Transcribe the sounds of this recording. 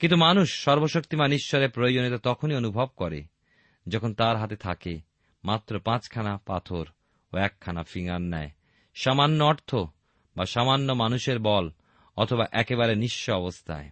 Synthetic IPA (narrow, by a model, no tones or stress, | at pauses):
kint̪umanuʃːɔɾboʃok̚t̪imaniʃʃɔɾepɾojod͡ʑonit̪ot̪ɔkʰonionubʱɔb̚kɔɾḛ | d͡ʑɔkʰont̪aɾɦat̪et̪ʰake | mat̪ːɾopãt͡ɕkʰanapat̪ʰoɾ | oɛkʰːanafiŋanːae | ʃamanːoɔɾt̪ʰo | baʃamanːomanuʃeɾbɔl | ɔt̪ʰobaʔɛkeβaɾeniʃːoɔbost̪ʰa̰e